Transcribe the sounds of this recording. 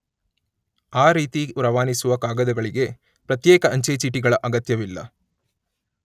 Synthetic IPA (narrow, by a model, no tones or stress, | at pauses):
aːɾiːt̪iuɾɐʋaːnisuʋɐkaːɡɐd̪ɐɡɐɭiɡe̞ | pɾɐt̪jɛːkɐʔɐɲt͡ʃeːt͡ʃiːʈiɡɐɭɐʔɐɡɐt̪jɐʋilːɐ̰